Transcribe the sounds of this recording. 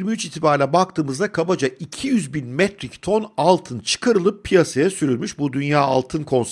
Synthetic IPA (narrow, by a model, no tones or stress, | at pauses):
ɾmiyt͡ʃit̪ʰibaɾlʲɛbak̚t̪ʰɯːmɯzd̪akʰabad͡ʒaʔicʰijyzbinmɛt̪ɾict̪ʰo̞nalˠt̪ʰɯnt͡ʃʰɯ̥kʰaɾɯlˠɯpʰːijasajɛsyɾylʲmyʃbud̪ynjaːa̰lˠt̪ʰɯnkʰo̞ns